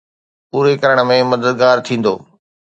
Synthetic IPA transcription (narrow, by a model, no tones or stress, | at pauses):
puːɾekɐɾəɽ̃ə̆mẽmɐd̪əd̪ɡaːɾt̪ʰĩːn̆d̪oː